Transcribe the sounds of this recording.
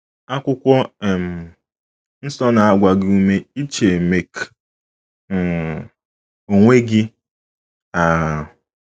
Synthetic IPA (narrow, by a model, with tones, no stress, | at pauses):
a˦kʷʊ˦kʷɔ˦e˨m̩˨ | n̩˦sɔ˦na˨a˨ɡʷa˨ɡɪ˦u˦me˦i˦t͡ʃe˨me˨k | o˨ŋʷe˦ɡɪ˦ | a˨